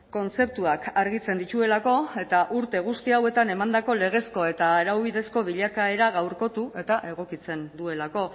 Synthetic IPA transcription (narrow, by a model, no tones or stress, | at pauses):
ko̞nt͡se̞p̚t̪uakaɾɣit͡se̞nd̪it͡ʃ̪ue̞lako̞e̞t̪aʔuɾt̪e̞ɣ̞ust̪iawe̞t̪ane̞mand̪ako̞le̞ɣ̞e̞sko̞e̞t̪aeɾawβiðe̞sko̞β̞iʎakae̞ɾaɣawɾko̞t̪uʔe̞t̪aʔe̞ɣ̞o̞kit͡se̞nd̪ue̞lako̞